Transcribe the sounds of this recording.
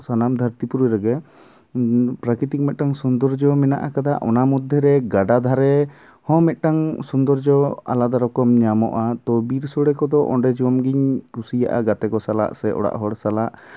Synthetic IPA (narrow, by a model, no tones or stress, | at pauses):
sanamd̪ʱəɾt̪ipuɾuɾɛɡɛ | pɾakit̪ik̚mɛt̪̚ˀʈaŋsund̪ɔɾd͡ʒɔmɛnaʔakad̪aʔɔnamɔd̪ʱːɛɾɛɡaɖad̪ʱaɾɛ | hɔ̃mɛt̪̚ˀʈaŋsund̪ɔɾd͡ʒɔa̰lad̪aɾɔkɔmɲamɔ̰ʔat̪ɔbiɾsɔɽɛkɔd̪ɔʔɔ̰ɳɖɛd͡ʒiwamɡiɲkusija̰ʔa̰ɡat̪ɛkɔsala̰ʔsɛɔ̰ɽa̰ʔɦɔɽsalaʔ